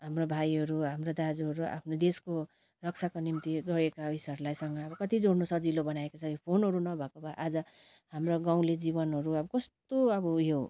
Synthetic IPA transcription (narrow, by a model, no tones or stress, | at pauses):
ɦamrobʱajɦʌɾuɦamrod̪ad͡zuɦʌɾuʔa̰pʰnod̪esko | rʌk̚t͡sʰakonimt̪iɡʌɾekaisʌɾlajsʌŋɡʌʌbʌkʌt̪id͡zoɽnosʌd͡zilobʌnaekot͡sʰʌopʰonɦʌɾunʌbʱʌkobʱʌʔad͡zʌ | ɦamroɡaw̃led͡zibʌnɦʌɾuʌbʌkʌst̪oʌbʌjo